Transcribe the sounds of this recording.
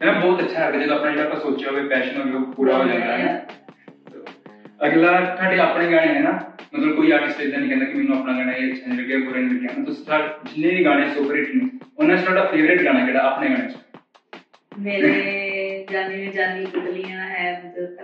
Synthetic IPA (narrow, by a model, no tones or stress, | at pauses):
eːmɛ̃ːbɔːt̪ətːʃʰaːɦɛd̪aːd͡ʒeːd̪oːpnãːd͡ʒeɽaːpasoːt͡ʃaoʋeːpɛːʃənɦoːeoːpuːɾaːɦoːd͡ʒãːnd̪aːɦɛ | t̪oːəɡlaːt̪ʰaːɽeːaːpɽẽːɡaːɽẽaɦɛːnaːmət̪ləbkoːiːaːʈɪsd̪eːk̚d̪eːnĩːkɛ̃ːnd̪aːkɪmɛ̃ːnũːəpnaːɡaːɽ̃ãːet͡ʃʰaːnĩləɡeːɡoɾeːnːləkːjãːnãt̪ʊsi̥t̪ʰaːʈd͡ʒɪnːẽːnĩːɡaːɽ̃eːsoːpəɾeʈĩːʊnːãːt͡ʃt̪ʰoːɽaːpʰeːʋɾeːʈɡaːɽ̃aːkɛːɽaːaːpɳeːɡaːɽ̃ẽːt͡ʃ | meːɾeːd͡ʒaːniẽd͡ʒaːnĩbəd̪lijãːɦɛːmət̪ləb